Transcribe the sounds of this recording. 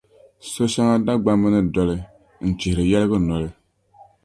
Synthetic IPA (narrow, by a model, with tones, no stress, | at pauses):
so˦ʃa˦ŋa˦da˦ɡ͡ba˦mːɨ˦nɨ˦dɔ˨lɨ˦˨ | n̩˨t͡ʃi˨hɪ˨ɾɨ˨jɛ˦lɨ˦ɡɨ˦nɔ˨lɨ˦